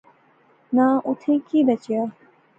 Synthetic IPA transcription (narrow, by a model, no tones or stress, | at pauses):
nãːʔʊt̪ʰẽːkiːbət͡ʃɪjaː